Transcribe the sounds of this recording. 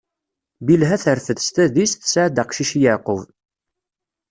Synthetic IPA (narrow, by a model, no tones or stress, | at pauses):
bilɦæθəɾθəðst̪æðisθə̥sʕd̪əqʃiʃjəʕqʊv